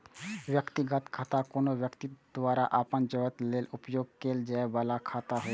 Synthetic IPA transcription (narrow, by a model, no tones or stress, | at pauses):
wjəkt̪iɡət̪kʰaːt̪akoːnowjəkt̪id̪̥waːɾaʔapənd͡ʒəʋət̪leːlʊpjoːɡ̚keːld͡ʒaebalakʰaːt̪aɦo